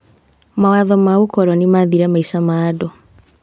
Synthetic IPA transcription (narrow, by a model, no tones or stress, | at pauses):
mawaðɔmaokɔɾɔnimaðiɾɛmaisamaːdɔ